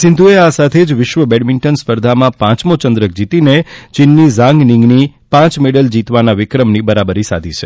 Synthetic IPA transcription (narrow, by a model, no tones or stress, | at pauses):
sɪ̃nd̪ʱueasat̪ʰed͡ʒʋɪʃʋəbɛɖmɪɳʈənspəɾd̪ʱamãpãt͡ʃmot͡ʃə̃nd̪ɾək̚d͡ʒit̪inet͡ʃɪnːizãŋɡnĩŋɡni | pãt͡ʃmeɽəld͡ʒit̪ʋanaʋɪkɾəmnibəɾabəɾisa̰d̪ʱit͡ʃʰe̥